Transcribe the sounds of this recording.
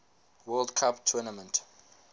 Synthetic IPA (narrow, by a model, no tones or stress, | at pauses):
wɛldkʰaptʰunəmə̃nt